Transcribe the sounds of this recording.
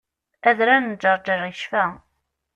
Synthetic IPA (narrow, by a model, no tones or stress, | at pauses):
æðɾænd͡ʒəɾˤd͡ʒəriʃfæ